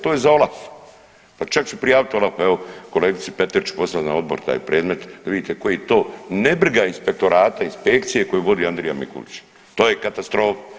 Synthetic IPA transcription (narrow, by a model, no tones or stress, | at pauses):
t̪oːjezao̞lˠaf | pat͡ʃakt͡ʃupɾijaːʋit̪o̞lˠafeʋo̞ko̞leːɡit̪sipe̞t̪eɾt͡ʃu̥po̞sanao̞d̪boɾt̪a̰ːjpɾeːd̪me̞t̪d̪aʋid̪iːt̪eko̞jeet̪o̞ːnebr̩ɡainspe̞k̚t̪o̞ɾaːt̪ainspe̞k̚t̪sije̞ko̞juʋo̞d̪iand̪ɾijamḭkṵlit͡ɕ | t̪oːjekat̪ast̪ɾo̞ːfḁ